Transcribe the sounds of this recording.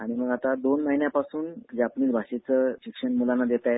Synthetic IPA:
aɽ̃iməɡat̪ad̪onməɦinjapasuːnd͡ʑapniːt͡sbʱaɕet͡səɕikʂənmulanːad̪et̪aje

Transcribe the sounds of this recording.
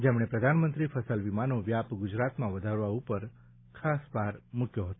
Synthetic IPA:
d͡ʒemɽ̃epɾəd̪ʱanmənt̪ɾifʰəsəlʋimanoʋjapɡʊd͡ʒɾat̪mãʋəd̪ʱaɾʋaupəɾ | kʰasʋaɾmukʰjoɦət̪o

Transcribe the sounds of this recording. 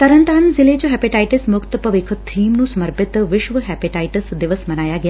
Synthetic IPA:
t̪əɾənt̪anzɪled͡ʒoɦɛpiʈajʈɪsmʊkt̪pəʋekʰət̪ʰiːmnũsəməɾpɪt̪ʋɪʃʋəɦɛpiʈajʈəsd̪ɪʋəsmənajaɡəj

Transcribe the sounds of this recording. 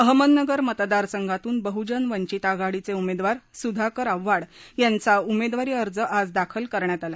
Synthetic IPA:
əɦmənnəɡəɾmət̪d̪aɾsəŋɡʱat̪uːnbəɦud͡ʑənʋəɲt͡ɕiːt̪aɡaɽit͡seumed̪ʋaɾsud̪ʱakəɾaʋːaɽjant͡saumed̪ʋaɾiːəɾd͡zəʔad͡zd̪akʰəlkəɾɳjat̪ala

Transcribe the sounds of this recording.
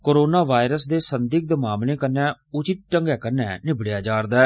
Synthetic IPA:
koːɾoːnaːʋaːɪɾəsd̪eːsənd̪ɪk̚d̪əmaːmlẽːkənɛ̃ːʊt͡ʃɪt̪̚ʈəŋɡɛːkənɛ̰ːnɪbɽejaːd͡ʒaːɾd̪aːɛː

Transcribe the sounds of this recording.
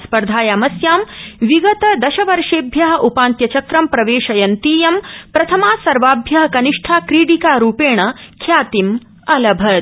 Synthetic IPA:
spɐɾd̪ʱaːjɐamɐsjaːmʋiɡɐt̪ɐd̪ɐʃɐʋɐɾʂeːbʱjɐɦɐʔupaːnt̪jɐt͡ʃɐkɾɐmpɾɐʋeːʃɐjɐnt̪iːjɐmpɾɐt̪ʰɐmaːsɐɾʋaːbʱjɐɦɐ̆kɐniʂʈʰaːkɾiːɽikaːɾuːpeːɳ̃ɐkʰjaːt̪im | ɐlɐbʱɐd̪

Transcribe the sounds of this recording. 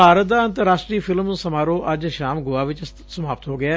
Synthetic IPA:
aːɾət̪̚d̪aːə̃nt̪əɾːaːʃʈɾiːpʰɪlmũːsəmaːɾõːʔəd͡ʒʃaːmɡʊaːʋɪt͡ʃ | səmaːpət̪ɦoːɡɪaː

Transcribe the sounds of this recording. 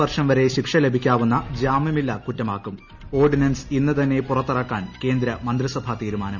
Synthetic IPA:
ɐrʂɐmʋɐɾe̞ɕikʂɐle̞bʱikʲːaːʋunːɐd͡ʑaːmjɐmilːɐkutːɐmaːkːum | o̞ːrɖinɐnsinːɨt̪ɐnːe̞purɐt̪ːirɐkːaːnke̞ːnd̪ɾɐmɐnd̪risɐbʱat̪iːɾumaːnɐm

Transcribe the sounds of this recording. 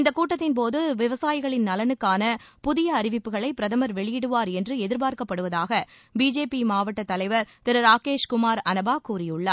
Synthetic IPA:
ɪnd̪ɐkːuːʈːɐt̪ːɪnpoːðɯʋɪʋɐsaːjɪɣɐɭɪnnɐlɐnɯkːaːnɐpʊðɪjɐɐɾɪʋɪpːɯɣɐɭɐɪpːɪɾɐðɐmɐɾʋɛɭɪjɪɽɯʋaːɾɛndrɯɛðɪɾpaːɾkɐpːɐɽɯʋɐðaːɣɐ | biːd͡ʒeːpimaːʋɐʈːɐt̪ːɐlɐɪʋɐɾt̪ɪɾɐɾaːkeːʂkʊmaːɾɐnɐbaːkuːrɪjɯɭːa

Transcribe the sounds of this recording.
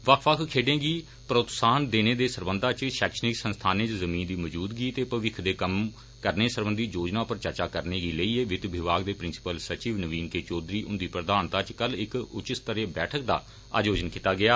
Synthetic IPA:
ʋəkʰʋəkʰkʰːeːɖẽːɡiː | pɾəʊt̪saːnd̪eːneːd̪eːsəɾbənd̪ʱãːt͡ʃʃɛːkʃənɪksənst̪ʰaːnẽːt͡ʃzəmiːnd̪iːməd͡ʒuːd̪ɡiːt̪eːpəʋɪkʰd̪eːkəm | kəɾneːsəɾbənd̪iːd͡ʒoːd͡ʒnaːpəɾt͡ʃəɾt͡ʃaːkəɾneːɡiːləiːeːʋɪt̪ʋɪʋaːɡd̪eːpɾɪnsɪ̥pəlsət͡ʃiːʋnəʋiːnkeːt͡ʃoːd̪ɾiːʔʊnd̪iːpɾəd̪aːnt̪aːt͡ʃkəlɪkʊt͡ʃɪt̪t̪əɾeːbɛːʈʰək̚d̪a̰ː | a̰ːd͡ʒoːd͡ʒənkiːt̪aːɡɪaː

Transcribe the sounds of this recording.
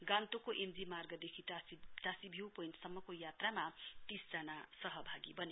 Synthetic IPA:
ɡãnt̪okoʔemd͡zimarɡʌd̪ekʰitasibʱiwpojnsʌmːʌkojat̪ramat̪isd͡zanasʌɦʌbʱaɡibʌne

